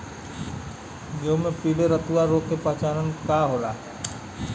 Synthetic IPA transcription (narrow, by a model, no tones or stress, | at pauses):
d͡ʒoːmẽpiːɽeɾət̪uʋaɾoːkːepət͡ʃaːnənkaːɦoːlaːɦɛː